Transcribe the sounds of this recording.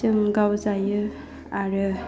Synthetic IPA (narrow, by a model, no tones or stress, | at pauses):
ɯŋɡawzajɯ | aɾɯ